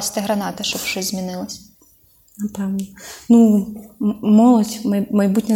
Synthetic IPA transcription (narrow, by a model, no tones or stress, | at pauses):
sʲt̪eɦɾɐnɑt̪ɪʃt͡ʃɔbʃt͡ʃɔzʲzʲmʲinɪlˠɐsʲ | nɐpɛwnɔnu | mɔlˠɔdʲmɐjmɐjbutʲnʲɐ